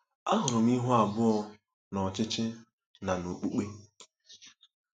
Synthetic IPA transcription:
a˦ɦʊ˨ɾʊ˨m˦i˦ɦu˦a˨bʊ˦ɔ˦ | nɔ˨t͡ʃɪ˦t͡ʃɪ˦ | na˨nu˨k͡pu˦k͡pe˦

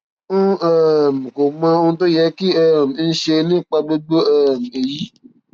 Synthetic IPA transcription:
ũ˦ɛ˦˨m̩˨ko˨mã˧o˧nũ˧to˦jɛ˧˦ki˦ɛ˦˨m̩˨˧n̩˦ʃe˧nĩ˦k͡pa˧ɡ͡bo˦ɡ͡bo˦ɛ˦˨m̩˨e˨ji˦

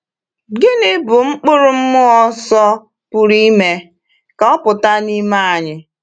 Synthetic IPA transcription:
ɡɪ˦nɪ˦bʊ˨ŋ͡m̩˦k͡pʊ˦ɾʊ˨m̩˦mʊ˦ɔ˦sɔ˦ | pu˨ɾi˦me˦ | ka˨ɔ˦pʊ˨ta˦ni˦ma˦a˨ɲɪ˨

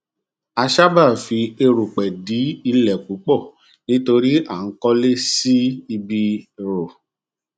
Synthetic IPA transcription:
a˧ʃa˦ba˦˨fi˧e˧ɾu˨k͡pɛ˨di˨˦i˧lɛ˨k͡pu˨˦k͡pɔ˦˨ | nĩ˦to˧ɾi˦a˦˨n̩˨˦kɔ˦le˦si˦i˧bi˧ɾo˨

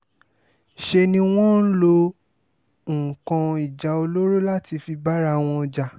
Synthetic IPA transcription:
ʃe˧nĩ˧w̃ɔ̃˦n̩˦lo˧˨ | kã˧i˨d͡ʒa˨o˧lo˦ɾo˦la˦ti˧fi˧ba˦ɾa˦˧˦w̃ɔ̃˧d͡ʒa˧

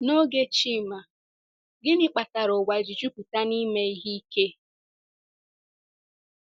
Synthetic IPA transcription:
no˦ɡe˦t͡ʃi˦˨ma˨ | ɡɪ˦nɪ˦k͡pa˨ta˨ɾo˨wa˨d͡ʒi˨d͡ʒu˦ku˨ta˦ni˦me˦i˦ɦi˦i˦ke˦

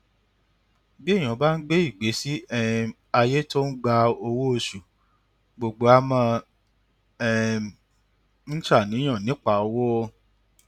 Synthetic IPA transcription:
bi˦e˦˨j̃ã˨˦ba˦n̩˦ɡ͡be˦i˦˨ɡ͡be˨˦si˦ɛ˦ | a˧je˦to˦n̩˦ɡ͡ba˧o˧wo˦o˧ʃu˨ | ɡ͡bo˨ɡ͡bo˨˦a˧˦mã˧ | ɛ˦ | n̩˦t͡ʃa˦˨nĩ˨˦j̃ã˦˨nĩ˨˦k͡pa˦˨o˧wo˦˧

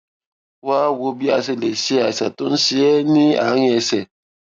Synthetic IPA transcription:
wa˦wo˦bi˦a˨s̬e˦le˨si˦a˨sa˨tu˦n̩˦si˦ɛ˦ni˦a̰˨˦ŋ˦ɛ˨sɛ˨

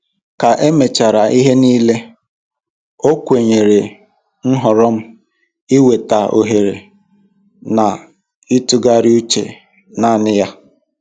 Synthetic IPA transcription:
ka˨ʔe˦me˨t͡ʃa˨ɾa˨ʔi˦ɦe˦niː˦le˦ | o˦kʷe˨ɲe˨ɾe˨ | n̩˦ɦɔ˨ɾɔ˦m̩˦ | i˦we˨ta˨o̰˨ɦe˨ɾe˨ | na˨ | i˦tʊ˦ɡa˦ɾɪ˦u˦t͡ʃḛ˨ | na˨˦˨nɪ˦ja˦

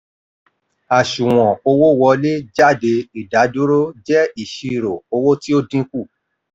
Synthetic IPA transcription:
a˨ʃũ˨w̃ɔ̃˨o˧wo˦˨wɔ˧le˦d͡ʒa˦˨de˧i˨da˨˦du˦ɾo˦d͡ʒɛ˦i˦˨ʃi˧˨ɾo˨o˧wo˦ti˦o˦dĩ˦ku˦˨

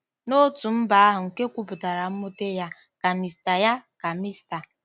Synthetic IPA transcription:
no˦tu˨m̩˦ba˨a˦ɦʊ˨ŋ̩˨ke˦kʷu˦pʊ˨ta˨ɾa˨m̩˦mo˦te˦ja˦ | ka˨mi˨sta˨ja˦ka˨mi˦sta˨

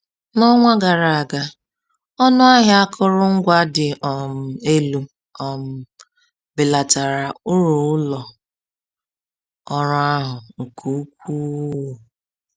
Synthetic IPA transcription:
nɔ˦ŋʷa˦ɡa˨ɾa˨ɡa˨ | ɔ˦nʊ˦a˦ɦa˦a˦kʰʊ˦ɾʊ˦ŋ̩˦ɡʷa˦dɪ˨ʔɔ˨m̩˨e˦lu˦ | ɔ˨m̩˦˨ | bɪ˨la˨ta˨ɾa˨ʊ˦ɾu˨ʊ˦lɔ˨ | ɔ˦ɾɔ˦a˦ɦʊ˨kʰu˦kʷu˦u˨

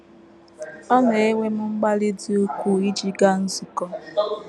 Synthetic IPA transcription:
ɔ˦ne˨e˦ŋʷe˦m̩˦ŋ͡m̩˦ɡ͡ba˦lɪ˦di˦o˦kʷu˦i˦d͡ʒi˦ɡa˦n̩˦zu˨kɔ˦

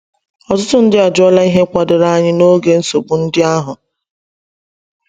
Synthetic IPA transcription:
ɔ˨tʊ˦tʊ˦n̩˦dɪ˦a˨d͡ʒɔ˦la˦i˦ɦe˦kʷa˨dʊ˨ɾa˦a˦ɲɪ˦no˦ɡe˨n̩˦so˨bu˨n̩˦dɪ˦a˦ɦʊ˨

